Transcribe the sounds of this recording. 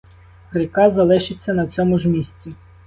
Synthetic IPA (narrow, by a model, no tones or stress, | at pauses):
rɪkɑzɐlˠɪʃɪt͡sʲːɐnɐt͡sʲɔmʊʒmʲisʲt͡sʲi